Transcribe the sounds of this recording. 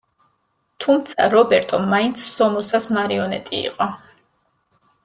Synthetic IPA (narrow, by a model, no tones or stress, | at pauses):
t̪ʰumt̪sʰa̰ɾɔbɛɾt̪ʼɔmaint̪sʰsɔmɔsasmaɾiɔnɛ̰t̪ʼḭːqʼɔ